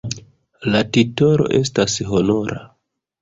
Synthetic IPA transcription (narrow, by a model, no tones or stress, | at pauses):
latito̞ɾo̞̰ʔe̞stasɦo̞no̞ɾa̰